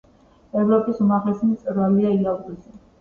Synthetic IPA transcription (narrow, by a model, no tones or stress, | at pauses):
ɛvɾɔpʼisumaʁlɛsimt̪sʼɾvaliailaɡʼisi